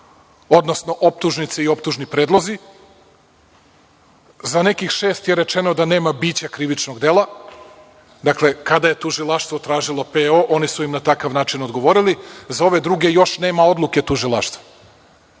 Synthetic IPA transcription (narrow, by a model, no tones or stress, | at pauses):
o̞d̪no̞sno̞ʔop̚t̪uʒnit̪seio̞pt̪uʒnipɾeːd̪lˠo̞zi | zane̞kixʃe̞ːst̪je̞ɾe̞t͡ʃeno̞d̪ane̞ːmabiːt͡ɕakɾiʋit͡ʃno̞ɡd̪e̞lˠa | d̪akle̞kad̪aje̞t̪uʒilˠaʃt̪vʋo̞t̪ɾaːʒilˠo̞peoʔo̞nisuimnat̪akaʋnaːt͡ʃinod̪ɡo̞ʋo̞ɾilizao̞ʋe̞d̪ɾuɡe̞jo̞ʃne̞ːmao̞d̪lˠuke̞t̪uʒilˠaʃt̪va